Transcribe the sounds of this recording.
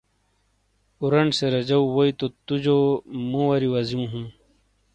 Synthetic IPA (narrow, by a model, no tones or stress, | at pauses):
uɾɐɳɖseɾɐd͡ʑɐwwoit̪ot̪ud͡ʑomũwɐɾiwɐzjũːɦũː